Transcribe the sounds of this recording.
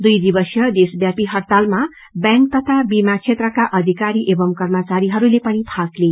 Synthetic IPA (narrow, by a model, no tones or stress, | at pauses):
d̪ujd̪ibʌsjʌd̪esbjapiɦʌrt̪alma | bjãŋk̚t̪ʌt̪ʰabimakt͡sʰet̪rʌkaʔʌd̪ʱikaɾiʔebʌmkʌrmʌt͡saɾiɦʌɾulepʌnipʰakle